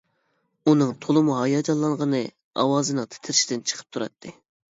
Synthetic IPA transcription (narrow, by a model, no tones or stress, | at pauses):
unɨŋt̪ʰolˠɨmuɦɑjɑd͡ʒɑlˠːɑɴʁənɨ | ɑ̰wɑːzɨnɨŋt̪ʰɪ̥t̪ʰɪɾʃid̪ɪnt͡ʃʰə̥qʰə̥p̚t̪ʰuɾɑ̰t̪ʰːɨ